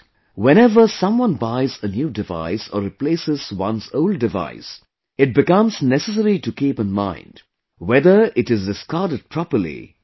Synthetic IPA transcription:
wɛ̃ñɛvəsʌ̃mwʌ̃nbaɪzənjuːdɪva̰ɪsɔ̰ɾɪpleːsɪz̥wʌ̰̃nsoʊlɖ̚ːɪva̰ɪs | ɪʈ̚bɪkʌ̃mz̥nɛsəs̬əɾiʈukiːpə̃nmã̰ɪ̃nɖ | wɛd̪ə˞ʔɪʈɨzdɪskaɾdɨɖ̚pʰɹɔpəlḭ

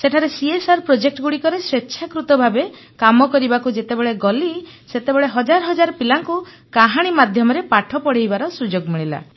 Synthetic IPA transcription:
seʈʰaɾesiesaɾpɾod͡ʒek̚ʈɔɡuɽikɔɾeswetːʃʰakɾut̪ɔbʱabe | kamɔkɔɾibakud͡ʒet̪ebeɭeɡɔliset̪ebeɭeɦɔd͡ʒaɾɔɦɔd͡ʒaɾɔpilaŋku | kaɦaɽ̃imad̪ʱjɔmɔɾepaʈʰɔpɔɽejbaɾɔsud͡ʒoɡmiɭ̃ila̰

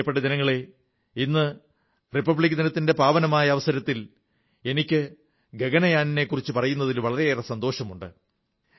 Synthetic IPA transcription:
pːeʈːɐd͡ʑɐnɐŋːɐɭe̞ | inːɨ | ripɐbɭikːɐd͡ʑɐnɐt̪ːinde̞paːʋɐnɐmaːjɐːʋɐsɐɾɐt̪ːil | e̞nikʲːɨ | ɡe̞ɡɐnɐjaːnine̞kːurit͡ɕːɨpɐrɐjunːɐðilʋɐɭɐɾeerɐsɐnd̪o̞ːɕɐmuɳɖɨ

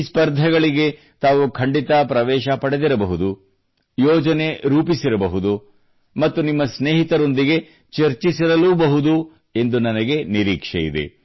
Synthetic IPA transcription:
spɐɾd̪ʱɐɡɐɭiɡe̞ | t̪aːʋukʰɐɳɖit̪ɐpɾɐʋɛːʃɐpɐɽe̞d̪iɾɐbɐɦud̪u | jɔːd͡ʒɐne̞ɾuːpisiɾɐbɐɦud̪u | mɐt̪ːunimːɐsneːɦit̪ɐɾo̞nd̪iɡe̞ | t͡ʃɐɾt͡ʃisiɾɐluːbɐɦud̪u | e̞nd̪unɐnɐɡe̞niɾiːkʂḛjḭd̪e̞̰

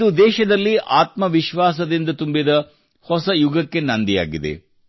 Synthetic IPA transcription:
d̪ud̪ɛːʃɐd̪ɐlːiʔaːt̪mɐʋiʃʋaːs̬ɐd̪ind̪ɐt̪umbid̪ɐ | hɔsɐjuɡɐkːe̞nɐnd̪ija̰ːɡid̪ḛ

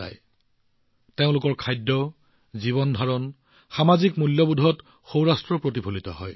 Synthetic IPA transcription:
a̰j | teʊ̃lʊkɔɹkʰajdːɔ | ziβɔndʱaɹɔn | xamazikmuljɔbudʱɔt | xowɹastɹɔpɹot̬ibʰʱolitɔ̰ɦɔj

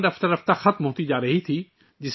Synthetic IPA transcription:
ɖɐft̪ɐɾɐft̪axɐt̪mɦoːt̪id͡ʒaːɾɐɦit̪ʰiː | d͡ʒɪs

